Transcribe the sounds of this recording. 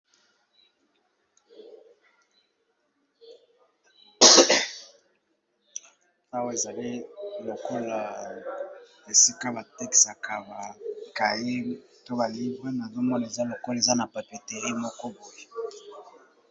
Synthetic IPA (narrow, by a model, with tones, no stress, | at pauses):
a˦wa˦e˨za˨li˦lo˨ko˦la˨ | e˨si˦ka˦ba˨tɛ˦ksa˨ka˨ba˨ka˨je˦ | to˦ba˨li˦ba˦na˨zo˦mɔ˦n˨e˨za˦lo˨ko˦lza˦na˨pa˨pi˨te˨ʁi˦mɔ˦kɔ˦bo˦je˨